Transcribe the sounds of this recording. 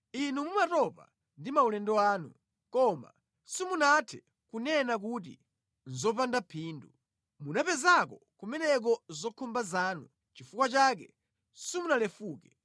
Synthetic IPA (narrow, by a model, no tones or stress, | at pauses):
inumumatɔpa̰ | ndimaulɛndɔaːnu | kɔma̰ | simunatʰɛ̥ | kunɛnak̬utḭ | n̩zɔp̬andapʰiːndu | munapɛzakɔ | kumɛnɛk̬ɔzɔkʰɔmbazaːnu | t͡ʃifukwat͡ʃaːk̬ɛ | simunalɛfuːkɛ